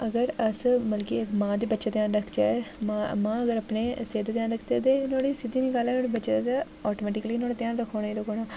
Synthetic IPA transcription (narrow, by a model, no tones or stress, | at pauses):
əɡəɾəsməlkiːkmãːd̪eːbətːʃaːt̪jãːnɾəkʰd͡ʒaːɛmamãːəɡəɾapneːseːd̪eːt̪jãːnɾəkʰd̪eːt̪eːnoːɽiːsɪd̪iːnɪkaːleːnoːɽibətːʃad̪aː | ɔːʈoːmɛːʈɪkəliːnoːɽaːt̪jãːnɾəkʰːoːɽaːiːɾəkʰoːɽaː